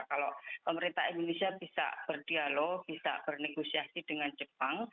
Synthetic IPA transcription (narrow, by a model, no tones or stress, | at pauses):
kalopəməɾint̪a̰ind̪onesiabisa̰ʔb̥ərd̥ialob̥isa̰b̥ərneɡosiasid̥əŋand͡ʒəpaŋ